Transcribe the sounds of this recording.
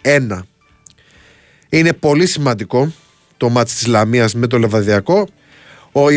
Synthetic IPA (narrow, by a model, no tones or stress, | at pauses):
e̞nɐ | ine̞po̞lisimɐnd̪iko̞ | t̪o̞mɐt̪i̥st̪izlɐmiɐzme̞t̪̬o̞levɐðiɐko̞ | oi